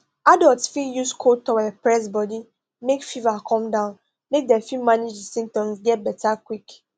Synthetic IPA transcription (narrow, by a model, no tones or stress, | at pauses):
adɔltsfijuskʰotɔwɛpɹɛs̬bɔdi | mekfivakʰɔ̃mdãʊ̃n | mek̚dɛfimaned͡ʒdsĩmtɔ̃msɡɛt̚bɛtʰakwik